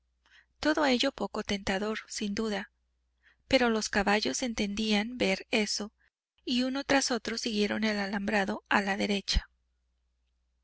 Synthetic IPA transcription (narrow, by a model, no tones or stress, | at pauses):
t̪o̞ðoe̞ʝo̞po̞ko̞t̪e̞nt̪aðo̞ɾsind̪uða | pe̞ɾo̞lo̞skaβaʝo̞se̞nt̪e̞nd̪ianbe̞ɾe̞so̞ | iuno̞t̪ɾaso̞t̪ɾo̞siɣje̞ɾo̞ne̞lalambɾaðo̞alaðe̞ɾe̞t͡ʃḁ